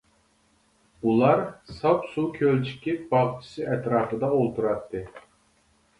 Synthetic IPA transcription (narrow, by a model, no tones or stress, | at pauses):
ulˠɑɾsɑpsukʲʰølt͡ʃʰi̥kʲibɑʁt͡ʃʰi̥sɨɛt̪ɾɑːfɨd̪ɑolˠt̪ʰuɾɑt̪ːɨ